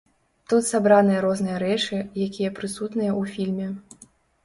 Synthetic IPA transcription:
t̪ut̪sabɾanɨjɐɾɔznɨjɐɾɛt͡ʂɨjakʲijɐpɾɨsut̪nɨjɐufʲilʲmʲɛ

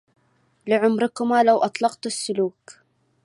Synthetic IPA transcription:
lɪʕʊmɾɪkʊmaːlawʔɑt̪ˤlɑqt̪ɪsːʊluːk

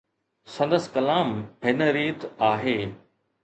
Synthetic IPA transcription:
sɐ̃nd̪əskɐlaːmɦɪnəɾiːt̪aːɦeː

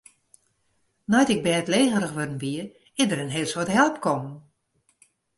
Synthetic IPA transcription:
nɔjtɪk̚bɛːtleːɣəɾəxʋødən̩ʋiə | ɪdəɾənɦeːlˠswɔtɦɛlˠpkʰɔmn

